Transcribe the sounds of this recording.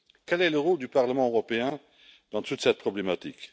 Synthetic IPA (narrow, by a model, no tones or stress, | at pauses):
kɛlɛləʁold̪ypaʁləmɑ̃øʁɔpeɛ̃ | d̪̥ɑ̃t̪ut̪sɛt̪̚pχɔblemat̪ik